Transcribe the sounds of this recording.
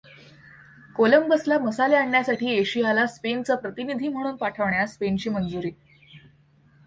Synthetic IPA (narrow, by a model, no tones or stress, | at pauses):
koləmbəslaməsaleaɳːjasaʈʰiːeɕijalaspent͡sapɾət̪inid̪ʱiːm̤əɽ̃uːnpaʈʰəʋɳjaspent͡ɕiːmənd͡zuɾiː